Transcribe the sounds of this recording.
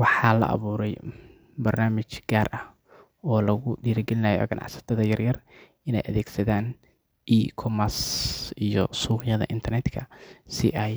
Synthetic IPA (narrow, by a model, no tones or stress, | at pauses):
wɑħɑːlɐ̰ʔɑ̰βuːɾɛj | bɐrnaːmɪt͡ʃɡaːrʔɐh | ɔːlɐɣʊdiːɾɐɡɛlɪnɐːjɔ̰ɡɐnʔɑ̰ʕsɐ̥t̪ʰɐðɐjɐrjɐr | ɪnɛ̰jʔɐ̰ðɛːɡsɐðaːn | ʔikʰɔmɐsijɔsuːɣɪjɐðɐ̰ʔɪnt̪ʰɐrnɛd̪kʰɐsɪ̰ʔaj